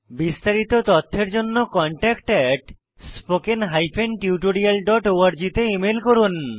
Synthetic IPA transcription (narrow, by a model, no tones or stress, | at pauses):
bist̪aɾit̪ot̪ɔt̪ʰːeɾd͡ʑonːokɔɳʈɛkʈɛʈ | spokenɦajpʰenʈiuʈoɾialɖɔʈoaɾd͡ʑit̪eimelkoɾun